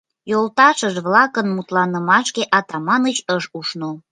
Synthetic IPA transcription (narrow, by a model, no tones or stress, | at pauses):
jolt̪ɑʃəʒβlɑkənmut̪lɑnəmɑʃkeʔɑt̪ɑmɑnət͡ɕəʃuʃno